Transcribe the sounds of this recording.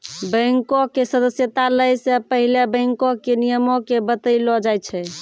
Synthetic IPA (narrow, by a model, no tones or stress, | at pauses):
bə̃ŋkokesəd̪əsjət̪aləjsepəɦilebə̃ŋkokenijəmokebət̪əjlɔd͡ʒajt͡ʃʰɛ